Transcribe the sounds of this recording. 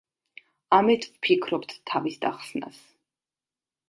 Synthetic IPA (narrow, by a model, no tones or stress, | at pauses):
amɛt̪ʰvpʰikʰɾɔpt̪ːʰavisd̪aχsna̰s